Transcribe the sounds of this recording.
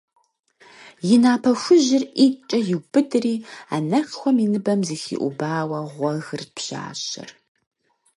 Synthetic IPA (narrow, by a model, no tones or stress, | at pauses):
jɪnaːpʰɐxʷʊʑɪrʔit͡ʃʼɐjɪwbɨdɨriːa̰ːnɐxxʷɔminɨbɐmzixḭːʔʷʊ̰baːwɐʁʷɔɣɨrpʰɕa̰ːɕɐ̰r